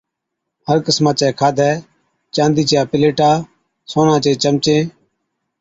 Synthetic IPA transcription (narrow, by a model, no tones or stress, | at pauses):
həɾkəsmãːt͡ʃɛːkʰaːd̪ʱɛː | t͡ʃãːnd̪iːt͡ʃjaːpɪleːʈaː | soːnãːt͡ʃẽːt͡ʃəmt͡ʃẽː